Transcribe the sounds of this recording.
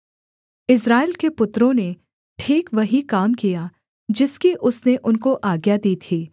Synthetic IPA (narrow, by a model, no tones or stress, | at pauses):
ɪs̬ɾaːɪlkepʊt̪ɾõne | ʈʰiːkʋɐɦikaːmkija | d͡ʒɪskiʔʊsneʔʊnkoʔaːɡjad̪iːt̪ʰiː